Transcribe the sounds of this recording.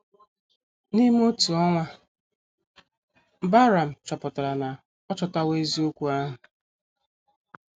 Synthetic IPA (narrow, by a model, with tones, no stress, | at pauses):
ni˦m˦o˦tu˨ɔ˦ŋʷa˦˨ | ba˦ɾa˨m̩˨t͡ʃɔ˨pʊ˨ta˨ɾa˨na˨ | ɔ˦t͡ʃɔ˨ta˦we˦zi˦o˦kʷu˦a˦ɦʊ˨